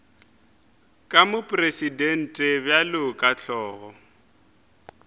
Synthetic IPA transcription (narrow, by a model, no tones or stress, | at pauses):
kʼamʊpʼresidɛn̩tʼɛbjalɪkʼaɬɔːɣɔ